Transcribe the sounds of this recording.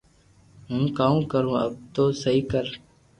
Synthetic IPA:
ɦũːkaːũːkəɾũːə̰b̚t̪oːsəiːkəɾ

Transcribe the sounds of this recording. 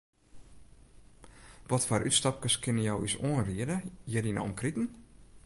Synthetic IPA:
ʋɔtfarʔytstɔp̚kəskʰɪnəjɔwysoənriədəjədina̰ɔmkritn̩

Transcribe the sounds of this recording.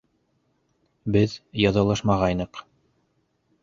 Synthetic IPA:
bɘðjɑðɑlˠɤʃmɑʁɑjnɤq

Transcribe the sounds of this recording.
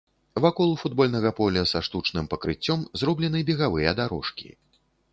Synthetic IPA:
vakɔlˠufud̪̚bɔlʲnɐɣɐpɔlʲɐsaʂt̪ut͡ʂnɨmpɐkɾɨt͡sʲːɔmzrɔblʲɛnɨbʲɛɣavɨjɐd̪aɾɔ̰ʂkʲḭ

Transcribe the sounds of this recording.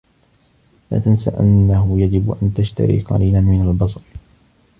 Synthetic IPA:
la̰ːt̪ansa̰ʔanːaɦʊjad͡ʒɪbʔant̪aʃt̪a̰ɾḭːqɑ̰ɾiːlanmɪnalbɑs̬ˤɑɾˤ

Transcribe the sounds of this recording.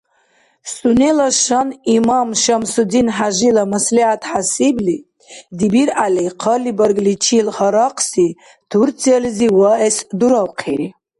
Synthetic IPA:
sunelaʃanimamʃamsud̪inħaʒilamasliħat̪ʰħasibli | d̪ibiɾʔaliqʰɔlibaɾɡlit͡ʃʰilhaɾɑqʰsi | t̪ʰuɾt͡sʰiɛlziwaɛsd̪uɾawqʰeɾi

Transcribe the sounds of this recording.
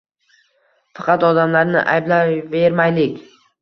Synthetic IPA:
fɑ̥qʰɑt̪ɒd̪amlaɾnɪ̰ʔa̰jblave̞ɾmajlɪkʲ

